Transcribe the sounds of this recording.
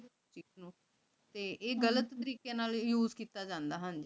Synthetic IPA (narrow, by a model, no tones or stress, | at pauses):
t͡ʃiːznũː | t̪eːʔeːɡələt̪ːəɾiːkeːnaːljuːzkiːt̪aːd͡ʒãːnd̪aːɦənd͡ʒ